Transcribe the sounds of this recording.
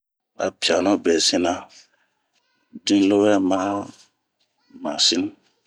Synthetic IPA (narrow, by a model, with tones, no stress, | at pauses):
a̰˨pja˨nɔ̃˦bɛ˨sĩ˦na˦ | dĩ˦n˦lo˦wɛ˦ma˦ | ma˨si˦n˦